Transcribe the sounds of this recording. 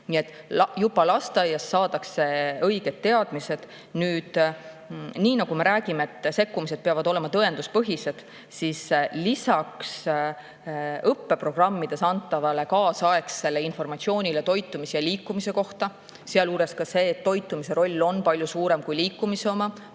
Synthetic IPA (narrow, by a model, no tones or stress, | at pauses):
nie̞t̪ːˑ | jubɑlɑst̪ɑjɑsːɑːd̪ɑkse̞ɤjɡe̞d̪̥t̪ːe̞ɑd̪̥mise̞d̪̥ | nyːd̪̥ | niːnɑɡume̞ɾæːɡ̥imeet̪ːse̞kːumise̞d̪̚peɑvɑd̪o̞le̞mɑt̪ɤe̞nd̪̥uspɤɦise̞d̪̥ | sislisɑks | ɤpːe̞pro̞ɡ̥rɑmːid̪̥e̞sɑnt̪ːˑɑvɑle̞kɑːsɑe̞kse̞lːe̞info̞rmɑt̪sio̞ːnʲile̞t̪o̞jt̪ːˑumisejɑliːkːˑumise̞ko̞ht̪ɑ | seɑluːɾe̞skɑse̞ːt̪ːo̞jt̪ːˑumise̞ɾo̞lʲːo̞npɑlʲjusuːɾe̞mkujliːkˑːumiseo̞mɑ